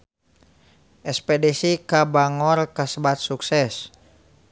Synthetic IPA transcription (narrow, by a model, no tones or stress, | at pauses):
ʔɛspɛdɛsikabaŋɔrkasəbat̪̚suksɛs